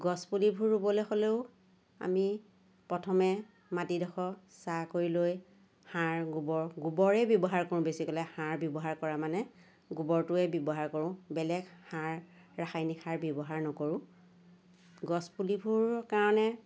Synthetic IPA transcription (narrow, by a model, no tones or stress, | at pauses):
ɡɔspulibʱuɹːubɔlexoleʊ | a̰mi | pɹɔtʰɔmɛ | matidɔkʰɔsakoɹiloj | haɹɡubɔɹɡubɔɹɛbjɔbɔɦaɹkoɹʊ̃besikɔlɛhaɹbjɔbɔɦaɹkɔɹamanɛ | ɡubɔɹtʊɛbjɔbɔɦaɹkoɹʊ̃bɛlɛɡhaɹː | axajnikʰaɹbjɔbɔɦaɹnɔkoɹʊ̃ | ɡɔspulibʱuɹkaɹɔnɛ